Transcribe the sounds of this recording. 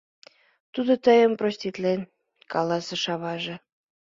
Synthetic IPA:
t̪ud̪ot̪əjəmprosʲt̪ʲit̪len | kɑlɑsɤ̆ʃɑβɑʒĕ

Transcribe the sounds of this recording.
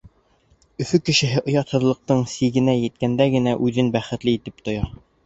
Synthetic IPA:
ɵ̆fɵkɘ̆ʃɘ̆ɦɘʔŏjɑt̪hɤ̆ðlˠɤ̆q̚t̪ɤɴsiɡɘ̆næjɘ̆t̪̚kænd̪æɡɘ̆næʔʉðɘnbæχɘ̆t̪lɘit̪ɘp̚t̪ŏjɑ

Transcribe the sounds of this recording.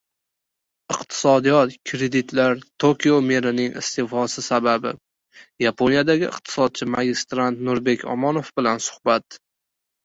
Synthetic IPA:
ɪqt̪ʰɪ̥sɒd̪ijɒt̪kʲʰɾe̞d̪ɪt̪laɾt̪ʰokʲiome̞ɾɪnɪŋɪ̰st̪efɒsɪsababɪ | japʰonijad̪aɡʲɪɪ̰qt̪ʰɪ̥sɒd̪̚t͡ʃʰɪmaɡʲɪst̪ɾant̪nʊɾbe̞kʲʰɒ̰mɒnofbɪlansʊ̥hbat̪

